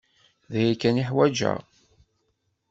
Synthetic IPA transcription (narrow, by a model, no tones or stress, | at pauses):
ðæjækːæniħwæd͡ʒæ̰ʁ